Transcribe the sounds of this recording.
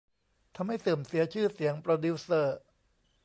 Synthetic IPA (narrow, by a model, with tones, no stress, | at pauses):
t̪ʰa˧mɦa˥˩jsɯː˨˩msi˩˦ɐt͡ɕʰɯː˥˩si˩˦əŋpɾoː˧du˦˥sɤː˥˩